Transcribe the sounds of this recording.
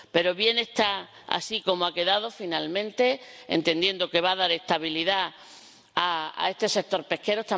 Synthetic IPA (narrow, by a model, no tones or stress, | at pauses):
pe̞ɾo̞βje̞ne̞st̪a | a̰siko̞moake̞ðað̞o̞finalmẽ̞nt̪e̞ḛnt̪e̞nd̪je̞nd̪o̞ke̞βaðaɾe̞st̪aβ̞iliða | aa̰e̞st̪e̞se̞k̚t̪o̞ɾpe̞hke̞ɾoet̪a